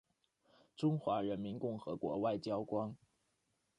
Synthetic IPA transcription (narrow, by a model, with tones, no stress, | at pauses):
ʈ͡ʂʊ˥ŋxwa˧˥ɻə˧˥nmi˧˥nkʊ˥˩ŋxɤ̰˧˥kwɔ̰˧˥wa˥˩ɪt͡ɕjɑ˥ʊkwɑ˥ŋ